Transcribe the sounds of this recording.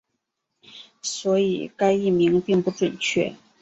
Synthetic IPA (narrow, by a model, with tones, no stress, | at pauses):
swɔ˧˥i˨˩ka˥ɪi˥˩mi˧˥ŋpi˥˧ŋpu˧˥ʈ͡ʂwə˨˩nt͡ɕʰɥɛ̰˥˩